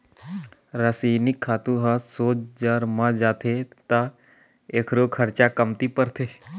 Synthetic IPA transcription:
ɾasiːnɪkʰːaːt̪ũɦasoːt͡ʃd͡ʒaːɾmãd͡ʒaːt̪ʰet̪a | eːkʰɾoːkʰəɾt͡ʃakəmt̪ipəɾt̪ʰeː

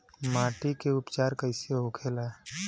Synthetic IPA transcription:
maːʈikeʊpt͡ʃaːɾkəɪsiokʰeːla

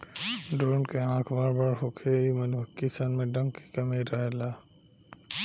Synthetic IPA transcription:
ɖoːnkeãːkʰbaːɾbaɾɦokʰeimənuəkːisənmẽɖə̃ŋɡke̥kɐmeɾaɦela

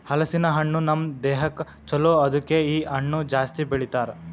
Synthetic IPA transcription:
hɐlɐsinɐɦɐɳːunɐmd̪eːɦɐk | t͡ʃɐloːɐd̪ukːeiːɐɳːud͡ʒaːst̪ibeɭit̪aːɾ

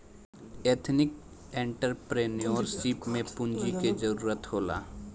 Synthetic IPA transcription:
eːt̪ʰnɪk | ẽɳʈəɾpɾenioːɾsipmẽpʊ̃nd͡ʒiked͡ʒəɾuːɾət̪ɦoːla̰ː

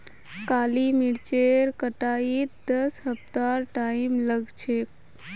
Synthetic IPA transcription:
kaːlimiɽt͡ʃeɾkəʈaːit̪d̪əsɦəpt̪aɾʈaːimləɡt͡ʃʰe

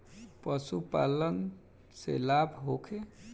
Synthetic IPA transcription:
pəsupa̰lən | sḛlabʱɦokʰe

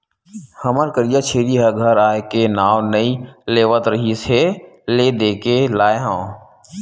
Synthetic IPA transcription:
həməɾkəɾijat͡ʃʰeːɾiɦəɡʱəɾaːekenaːʋnəĩleːʋət̪ɾəɦiseleːd̪eːkelaːeɦãː

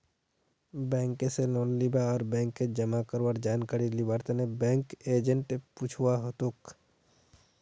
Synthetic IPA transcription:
bɛ̃ːŋkeselɔːnlibaɔːɾbɛ̃ːŋkːed͡ʒəmakəɾʋəɾd͡ʒaːnkaɾilibaːɾt̪enebɛ̃ːŋkeːd͡ʒəɳʈput͡ʃʰuwaɦot̪ok

